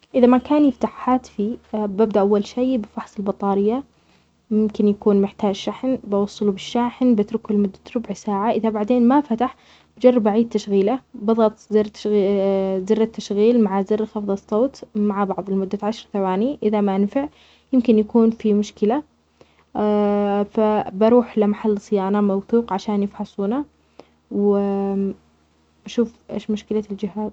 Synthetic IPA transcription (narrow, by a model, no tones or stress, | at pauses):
ʔɪðamakaːnjɪft̪aħːaːt̪fibabd̪aʔawːalʃeːbɪfɑħsˤɪlbɑt̪ˤɑːɾɪjːa | mɪmkɪnjakuːnmɪħt̪aːd͡ʒʃaħnbɑwɑsˤːɑlubɪʃːaːħnbɪt̪ɾʊkʊlmʊd̪ːḁt̪ɾʊbʕsaːʕaʔɪðabaʕd̪eːnmafat̪aħ | bd͡ʒɑrˤːɑbaʕiːd̪̚t̪ːaʃɣiːlabɑðˤɑt̪ˤzɪrt̪ | zɪrːat̪ːaʃɣiːlmaʕazɪrːxɑfðˤɑsˤːoːt̪maʕabɑʕðˤɪlmʊd̪ːaʕaʃɑɾˤθawaːniʔɪðamaʔanfɪʕ | jɪmkɪnjakuːnfimʊʃkɪla | fabɑɾˤuːħlamaħalːsˤɨjaːnamawθuːqʕaʃaːnjɪfħɑsˤuːna | w | baʃuːfʔḛːʃmʊʃkɪlald͡ʒɪɦaːz